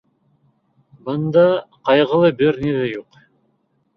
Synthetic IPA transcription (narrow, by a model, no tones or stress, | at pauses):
bɤnd̪ɑqɑjʁə̆lˠɤbɪɾnid̪ejuq